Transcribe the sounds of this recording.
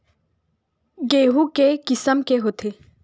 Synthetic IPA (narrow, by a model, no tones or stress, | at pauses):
ɡeːɦũkekɪsəmkeɦot̪ʰe